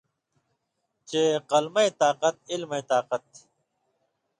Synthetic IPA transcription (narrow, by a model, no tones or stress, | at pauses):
t͡ɕeːqɐlmɐt̪aːqɐt̪̚ilmet̪aːqɐt̪̚